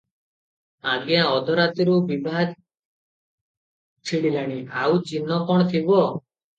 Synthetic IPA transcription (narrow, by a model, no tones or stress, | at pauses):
aɡjãɔd̪ʱɔɾat̪iɾubibʱaɡ | t͡ʃʰiɽilaɽ̃iawt͡ʃinːɔkɔɽ̃ɔt̪ʰibɔ